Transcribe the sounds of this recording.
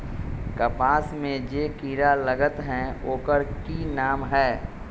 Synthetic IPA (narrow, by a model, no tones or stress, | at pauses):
kəpaːsmẽd͡ʒeːkiːɾaləɡət̪ɦɛ̃oːkəɾkinaːmɦɛː